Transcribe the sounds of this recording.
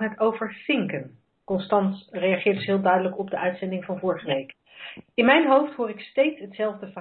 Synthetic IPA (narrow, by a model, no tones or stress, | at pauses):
nɦətowvəɹfɪŋkən | kɔnstɑntrejɑχɪːɹdəsɦɪːlˠdœɥdələkɔb̚dəʔœɥtsɛndɪŋvɑnvɔːɹχəʋejk | ɪnmɛjnɦowftɦʊːɹɪkstejtsɦətsɛlˠvdəvə